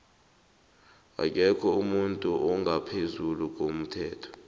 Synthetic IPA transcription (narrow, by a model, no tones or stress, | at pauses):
a̰k̬ʼɛkʰɔumuntʼuʔɔŋɡʱapʰezuluk̬ʼom̩tʰɛːtʰɔ̥